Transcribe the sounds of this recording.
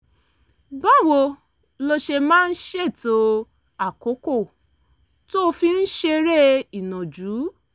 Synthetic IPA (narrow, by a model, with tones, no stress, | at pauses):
ba˦˨wo˧ | lo˧ʃe˧mãː˦n̩˦ʃe˦˨to˧ | a˦˨ko˨˦ko˦˨ | to˦o˧fi˧n̩˦ʃe˧ɾe˦˨i˨nɔ̃˨d͡ʒuː˨˦